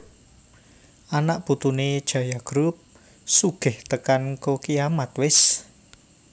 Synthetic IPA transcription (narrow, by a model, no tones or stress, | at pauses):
anaʔb̥ut̪uned̥ʒ̥ä̤jaɡ̥ɾup̚ | suɡ̥ɪht̪əkankokijamat̪wɪs